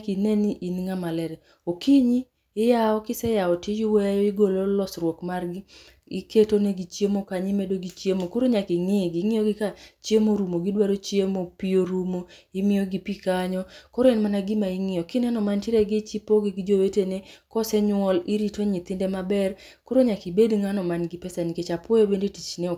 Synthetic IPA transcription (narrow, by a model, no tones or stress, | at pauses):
kinɛniʔinŋamalɛɾɛ | okiɲiː | jaɔkɪsɛjaɔtɪd͡ʒiwejajɔiɡololɔsrwɔkmarɡɪ | ḭketoneɡit͡ʃjemokaɲɪmedoɡit͡ʃemokoɾoɲakɪŋɪɡɪŋɪjɔɡɪkat͡ʃjemoɾumoɡɪdwaɾot͡ʃjemopioɾumo | imɪjoɡipikaɲɔkɔɾoenmanaɡɪmaiŋɪjɔkɪnɛnɔmantɪɾɛɡɪt͡ʃipoɡɪɡɪd͡ʒowetenekɔsɛɲwɔliɾitoɲɪt̪ɪndɛmabɛr | koɾoɲakibedŋanɔmanɡɪpɛsaniket͡ʃapɔjobendetit͡ʃne